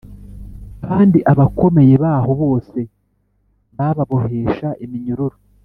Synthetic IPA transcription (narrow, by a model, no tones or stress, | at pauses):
kaːndiʔaβakʰo̞me̞je̞βaːho̞βo̞ːse̞ | βaβaβoɦe̞ːʃaʔimiɲuɾuɾo